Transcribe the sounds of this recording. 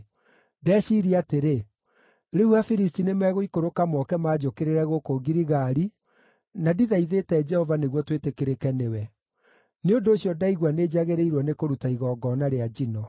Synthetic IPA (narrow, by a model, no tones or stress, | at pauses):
dɛʃiːɾiateɾe | ɾeuafiɾistinemɛːɣoikoɾokamɔkɛmaːd͡ʒokeɾeɾɛɣokoɡiɾiɣaɾi | nadiðaiðetɛd͡ʒɛhɔvaneɣwɔtwetekeɾekɛnewɛ | neondoːɕjɔdaiɣwaneːd͡ʑaɣeɾeiɾwɔnekoɾutaiɣɔːɡɔːnaɾead͡ʒinɔ